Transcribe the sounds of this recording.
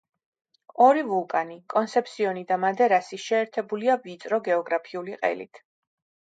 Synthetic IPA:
ɔɾivulˠkʼanikʼɔnsɛpʰsiɔnid̪amad̪ɛɾasiʃɛːɾt̪ʰɛbuliavit̪sʼɾɔɡɛɔɡɾapʰiuliqʼɛ̰lḭt̪ʰ

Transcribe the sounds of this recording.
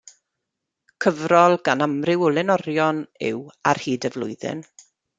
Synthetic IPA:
kʰəvrɔlˠɡanamrɪwʊlˠɪnɔɾjɔnɪ̰war̥hiːdəvlˠʊɨðɪ̰n

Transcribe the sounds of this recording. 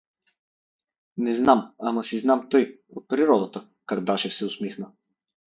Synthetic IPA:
nɛznamamɐsiznamt̪ɔjot̪̚pɾiɾɔd̪ət̪ə | kaɾd̪aʃɛfsɛʊsmixnə

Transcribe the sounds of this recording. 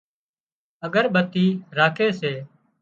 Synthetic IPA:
əɠəɾɓət̪iːɾaːkʰeːseː

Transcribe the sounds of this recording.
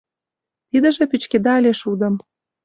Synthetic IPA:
t̪id̪ə̆ʒĕpyt͡ɕked̪ɑːlʲeʃud̪ə̆m

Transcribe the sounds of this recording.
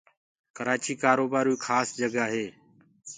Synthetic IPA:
kəɾaːt͡ʃiːkaːɾoːbaːɾuːkʰaːsd͡ʒəɡaːɦeː

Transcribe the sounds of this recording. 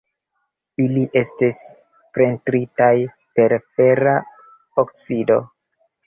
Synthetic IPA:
iliʔe̞stis | fɾe̞ntɾitaj | pe̞ɾfe̞ɾa | oksido̞̰

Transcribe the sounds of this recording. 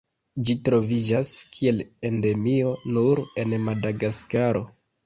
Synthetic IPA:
d͡ʒitɾo̞vid͡ʒaskʰie̞le̞nde̞mio̞nuɾe̞nmadaɡaskaɾo̞

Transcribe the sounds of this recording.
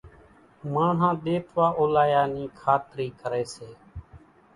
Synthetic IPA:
mãːɳɦãːɗ̪eːt̪ʰʋaːʔoːlaːjaːniːkʰaːt̪ɾiːkəɾeːseː

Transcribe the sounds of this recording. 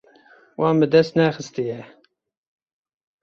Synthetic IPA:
wɑːmbɨd̪ɛst̪næːxɨst̪ijɛ

